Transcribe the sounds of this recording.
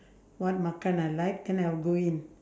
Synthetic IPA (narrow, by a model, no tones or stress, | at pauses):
wat̚makanalajk̚d̪ɛ̃najlɡoin